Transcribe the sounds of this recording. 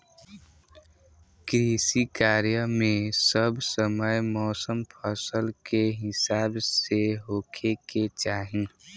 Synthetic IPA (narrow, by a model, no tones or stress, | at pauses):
kɾisikaːɾjəmẽsəbsəməjmɔːsəmpʰəsəlkeɦɪsaːbseɦoːkʰeket͡ʃaːɦĩ